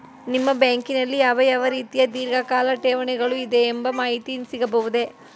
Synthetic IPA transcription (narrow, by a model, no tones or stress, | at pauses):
nimːɐbeːŋkinɐlːijaːʋɐjaːʋɐɾiːt̪ijɐd̪iːɾɡɐkaːlɐʈ̪eːʋɐɳɐɡɐɭuid̪eːmbɐmaːɦit̪insiɣɐbɐʋud̪eː